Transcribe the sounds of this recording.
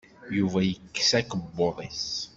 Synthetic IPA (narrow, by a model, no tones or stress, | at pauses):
juvæjəkːsækəbːoðˤes